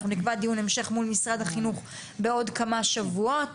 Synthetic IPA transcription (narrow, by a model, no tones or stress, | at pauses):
χunikvad̪ijune̞mʃe̞χmulmisʁad̪haχinuχ | be̞o̞dkamaʃavua